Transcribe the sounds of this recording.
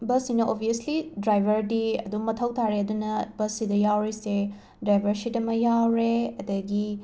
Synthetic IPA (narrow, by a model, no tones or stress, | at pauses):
bɐsinɐʔobʱiɐslidɾajbʱɐɾdiɐ̰dumɐtʰɐwtʰaɾeɐdunɐbɐsidɐjawɾise | dɾajbʱɐɾsidɐmɐjawɾeɐdɐɡi